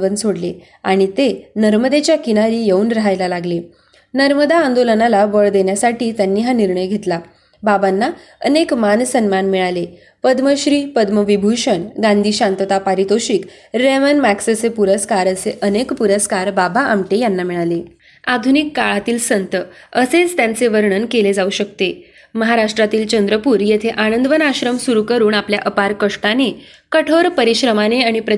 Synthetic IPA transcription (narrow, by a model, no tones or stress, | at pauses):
ʋənsoɽle | a̰ɽ̃it̪enəɾməd̪et͡ɕjakinaɾiːjeuːnɾaɦajlalaɡle | nəɾməd̪aːnd̪olənalaʋəɭd̪enjasaʈiːt̪janːiːɦaniɾɳəjɡʱet̪la | babanːa | ə̰nekmansənmanmiɭale | pəd̪məɕɾiːpəd̪məʋibʱuɕəɳɡãnd̪ʱiːɕant̪ət̪apaɾit̪oɕikɾemənmæksət͡sepuɾəskaɾəseʔənekpuɾəskaɾbabaamʈejanːamiɭale | ad̪ʱunikːaɭat̪iːlsənt̪ə | əset͡st̪jant͡seʋəɾɳənkeled͡zauɕək̚t̪e | məɦaɾaʂʈɾat̪iːlt͡ɕənd̪ɾəpuːɾjet̪ʰeʔanənd̪ʋənaɕɾəmsuɾukəɾuːnapljaʔəpaɾkəʂʈane | kəʈʰoɾpəɾiɕɾəmaneaɽ̃ipɾə